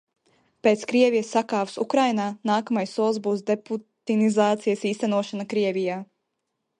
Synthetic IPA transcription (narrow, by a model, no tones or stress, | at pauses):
peːt̪skɾiɛvijəsːakaːvsṵkɾajnaːnaːkamajsːuɔlˠsbuːsd̪eput̪inizaːt̪sijəsiːst̪ænuɔʃanakɾiɛvʲijaː